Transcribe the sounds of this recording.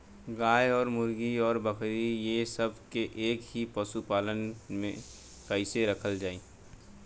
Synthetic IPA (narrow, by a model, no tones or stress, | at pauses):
ɡaːjɔːɾmʊɾɡiɔːɾbəkɾijesəbʱkeʔeːkɦipəsupaːlənmẽ | kəɪseɾəkʰəld͡ʒaːiː